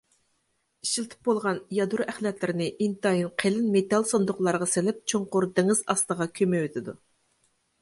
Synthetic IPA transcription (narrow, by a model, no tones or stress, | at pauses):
iʃilt̪ʰɪ̥p̚bolˠʁɑnjɑd̪uɾæχlˠɛt̪ʰlɪɾɪnɪʔint̪ɑjinqʰelɪnmet̪ɑlˠsond̪ʊχlˠɑɾʁɑsɪlɪp̚t͡ʃʰoɴqʊɾd̪ɪŋɨzɑst̪əʁɑkʲʰømɛwøt̪ʰɪd̪u